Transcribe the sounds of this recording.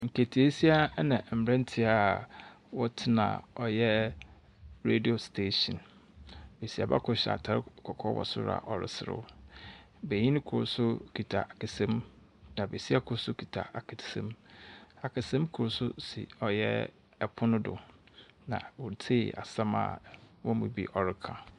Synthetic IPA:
ŋ̩˨kʰe˨tʰi˨˦e˦si˦a˦nã˨m̩˨bɾɛ̃˦n˦tʰɪ˦a˦˨ | wɔ˦tʰɪ˦nã̰˨ɔ˨jɛ˦ | ɾe˦di˨o˨stʰe˦˨ɕɔ̃˨n | be˨si˨a̰˨ba̰˦kʰʊ˨ɕa̰˨tʰa˨ɾkʰɔ˨kʰɔ˦wɔ̰˨sʊ̰˦ɾa̰˨ʔɔ˨ɾɪ̰˨sɪ˨ɾʊ̰˦ | be˨ɲĩ˦nɪ̃˦kʰʊ˨ɾsʊ˦kʰi˨tʰa̰˨a˨kʰɪ˨sẽ˦m | nã˨be˨si˦a˦˨kʰʊ˨ɾsʊ˦kʰi˨tʰa̰˨a˨kʰɪ˨sḛ̃˦m | a˨kʰɪ˨sẽ˦mkʰʊ˨ɾʊ˨sʊ˦sɪ̰˨ɔ˨jɛ˦ | ɛ˨pʰʊ˦nʊ̃˦dʊ̰˨nã̰˨wʊ˨ɾtʰɪ˦˨a̰˨sã˦ma̰˨wɔ˦mũ˨bḭ˨ʔɔ˨ɾɪ˦kʰa˨

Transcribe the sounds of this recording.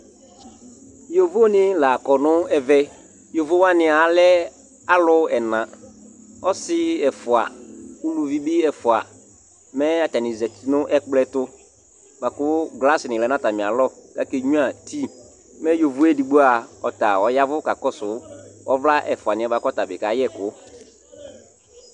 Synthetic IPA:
jo˨vo˦nɪ̃˦la˨kɔ˨nʊ̃˦ɛ˨vɛ˦ | jo˨vo˦wa˦nɪ̃˨a˨lɛ˦ | a˦lʊ˦ɛ˨nã˨ | ɔ˦sɪ˦ɛ˨fʊ˨a̰˨u˦lu˨vi˦bi˦ɛ˨fʊ˨a̰˨ | mɛ˦a˨ta˨nɪ̃˨zɛ˨tnʊ̃˦ʔɛ˦k͡plɛ˦tʊ˦ | ba˨kʊ˦ɡla˦sɪ˨nɪ̃˨lɛ˨nã˦ta˨mɪ̃˨a˨lɔ˦˨ka˦ke˦ɲũ˦a˨tʰi˦ | mɛ̃˦jo˨vʊ˦ɛ˦di˨ɡ͡bo˦a˨ɔ˨ta˨ɔ˨ja˦vʊ˦ka˨kɔ˦sʊ˨˦ɔ˦vla˦ʔɛ˨fʊ˨a˨nɪ̃˨a˨ba˨kɔ˦ta˨bɪ˨ka˨jɛ˦˨kʊ˦

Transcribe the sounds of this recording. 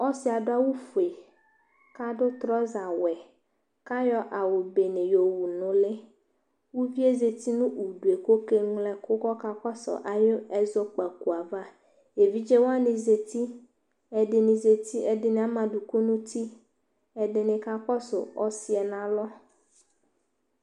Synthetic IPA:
ɔ˦si˦a˨ɖo˦a˦wu˦fu˨e˨ | ka˦ɖʊ˦t̪ɾɔ˦za˨wɛ˨ | ka˦jɔ˦ʔa˨wo˨be˨nẽ˨jo˨wu˨nʊ̃˨le˦ | wu˦vi˦e˦ze˨t̪i˦nũ˦u˨ɖu˨e˨ko˦ke˦ŋlɛ˦ko˦kɔ˦ka˦kɔ˦sɔ̰˨ʔa˨jo˦ɛ˦zɔ˦k͡pa˨ku˨a˨va˦ | je˨vi˦d͡ʒe˦wo˦a˦nĩ˨ze˨t̪i˦ | ɛ˨ɖe˨nĩ˨ze˨t̪i˦ɛ˨de˨nẽ˨a˨˦mã˨ɖu˨ku˦nũ˦t̪i˦ | ɛ˨ɖe˨nẽ˨ka˦kɔ˦so̰˨ɔ˦si˦ɛ˨nã˨lɔ˦

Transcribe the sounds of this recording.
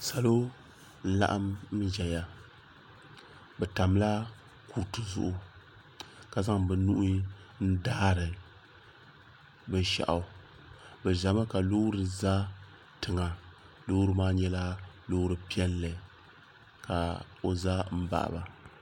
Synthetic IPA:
sa˨lo˦ | n̩˦la̰˦ʔa˦m̩˦d͡ʒɛ˨ja˨ | bɛ˨ta˨mla˦ | ku˨ɾtɨ˨zʊ̰˨ʔʊ˦ | ka˨za˦ŋbɨ˨nu˦ʔn̩˦daː˦ɾɨ˨ | bɨ˦n˦ʃa̰˨ʔa˨˦ | bɛ˨ʒa˨ma˦ka˨loː˦ɾɨ˨za˦ | tɨ˨ŋa˨ | lo˦ɾɨ˦maː˦ɲɛ˦la˦ | loː˦ɾɨ˨pi˦ɛ˦nlɨ˨ | ka˨ | o˨za˦m̩˦ba̰˨ʔa̰˨ba˨

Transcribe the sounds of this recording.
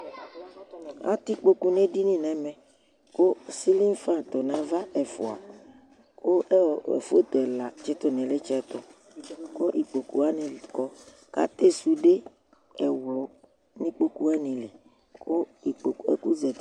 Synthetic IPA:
a̰˦t̪i˦k͡po˦ku˦nẽ˦ɖi˦nĩ˦nɛ̃˨mɛ̃˨ | ko˦si˦li˦n˦fã˦˨t̪ɔ˨nã˦va˦ɛ˨fɔ̰˨a̰˨ | ko˦˨ḛ˨fo˦t̪ɛ˨la˨t͡ʃɛ˦t̪ɔ˨n˨ɛ̃˨le˦t͡ʃɛ˦t̪ɔ˨ | ko˦ʔi˨k͡po˨ku˦a˦nĩ˨kɔ˦ | ka̰˦t̪e˦su˨ɖe˦ | ɛ˨wlɔ˨ | nĩ˦k͡po˦ku˦a˦nĩ˨le˨ | ko˦i˨ḛ˦ku˦zɛ˨

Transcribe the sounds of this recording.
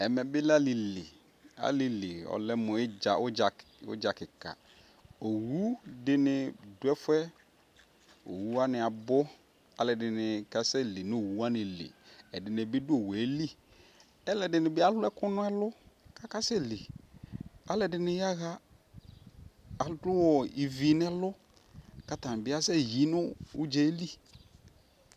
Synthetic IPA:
ɛ˨mɛ˨bɪ˦la˦lɪ˨lḭ˨ | a̰˨lɪ˨li˨ɔ̰˨lɛ˦mʊ̃˨ɪ˦d͡ʒa˨ʊ˦d͡ʒa˨ | ʊ̰˦d͡ʒa˨kɪ˨ka̰˨ | o˨wu˦dɪ˦nɪ˨dʊ˨˦ɛ˦fʊ˦ɛ˦ | o̰˨wu˦a˦nɪ˨a˨bʊ˦ | a˨lɛ˨dɪ˨nɪ˨ka˦sɛ˦li˨nɪ̃˦o˨wu˦a˦nɪ̃˨lḭ˨ɛ˨dɪ˨n˨ɛ˨bɪ˦dʊ˦o˨wɛ˨˦li˦ | ɛ˦lɛ˨dɪ˨nɪ̃˨bɪ˦a˦lʊ˦ɛ˦kʊ˦nʊ̃˦ɛ˦lʊ˦ka˦ka˦sɛ˦li˨ | a˦lɛ˨dɪ˨nɪ˦ja˦ɣa˦ | a˨ldʊ˦wɔ˨i˨vi˨n˦ɛ˦lʊ˦ | ka˨tã˨n˨bɪ˦a˦sɛ˦ji˨nʊ˦ʊ˦d͡ʒɛ˦li˦˨

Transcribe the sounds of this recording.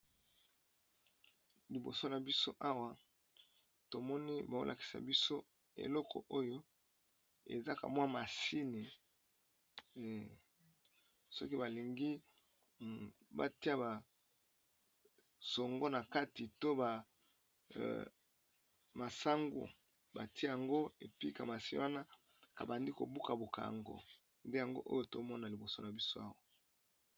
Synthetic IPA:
li˨bo˨so˦na˨bi˦so˦ʔa˦wa˨ | to˨mɔ˦ni˦ba˨o̰˦lʔa̰˨ki̥˨sa̰˨bi˦so˦ | ḛ˨lɔ˦kʰɔ̰˨ʔo˦jo˦ | ḛ˨za˦ka̰˨mwa˦ma˨si˦ni˨ | sɔ˦ki˦ba˨li˨ŋɡi˦ | ba̰˦ti˦a˦ba˨ | so˨ŋɡɔ˦na˨ka˦ti˨to˦ba˨ | ma˨sa˦ŋɡo̰˨ | ba̰˨ti˦ja˨ŋɡo˦e˨pi˦ka˨ma˨si˦wa˦na˦ | ka̰˨ba˨ndi˦ko̰˨bu˦ka˨bo˨ka̰˨a̰˨ŋɡo̰˨ | nde˦ja˨ŋɡo̰˦ʔo̰˦jo˦to˦mɔ˦na˨li˨bo˨so˦na˨bi˦so˦a˦wa˦

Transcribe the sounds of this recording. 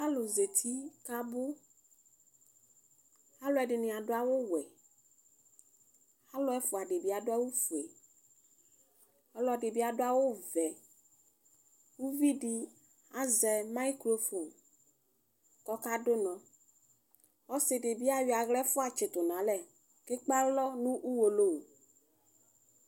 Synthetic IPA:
a˦lo˨ze˨t̪ʰi˦ka˦bʊ˦ | a˦lo˦ɛ˨ɖɪ˨nɪ̃˨a˨ɖʊ˦a˦wo˦wɛ˨ | a˦lʊ˦ɛ˦fʊ˨a˨ɖɪ˨bi˦a˨dʊ˦a˦wo˦fu˨e˨ | ɔ˦la˨ɖɪ˨bi˦a˨do˦a˦wo˦vɛ˨ | wu˦vi˦ɖi˦ | a˦zɛ˨ma˦i˦kɾo˦fo˨m | kɔ˦ka˦do˦nɔ̃˨ | ɔ˦sɪ˨ɖɪ˨bi˦a˨wi˨a˨ɣlɛ˦fʊ˦a˨t͡ʃe˨t̪ʊ˨nã˨˦lɛ˦ | ke˦k͡pa˦lɔ˦nũ˦ʔu˦wo˨lo˦o˨

